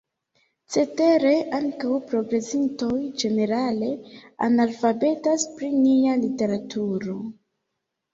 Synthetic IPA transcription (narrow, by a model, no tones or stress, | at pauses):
t͡se̞te̞ɾe̞ʔaŋkawpɾo̞ɡɾe̞sinto̞jd͡ʒe̞ne̞ɾale̞a̰nalfabe̞taspɾinialite̞ɾatʰuɾo̞